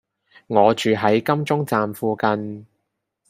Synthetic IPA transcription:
ŋɔː˨˧t͡ʃyː˨ɦɐ˨˥jkɐ˥mt͡sʊ˥ŋt͡saː˨mfuː˨kɐ˧n

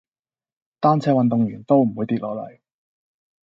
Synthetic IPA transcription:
t̪aː˥nt͡sʰɛː˨˧wɐ˨nt̪ʊ˨ŋjyː˨˩nt̪o˥wm̩˨˩wuː˨˧jt̪iː˧t̚lɔː˨˧lɐ̰˨˩j

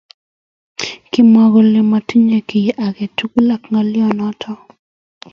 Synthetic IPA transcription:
kɪ˦mɔ˦ɡɔ˨lɪ˨ma˨ti˦ɲe˨ki˨jʔa˨ɡe˨tu˦ku˦la˨kŋa˦lɪ˦ɔ˨nɔ˦tʰɔ˦

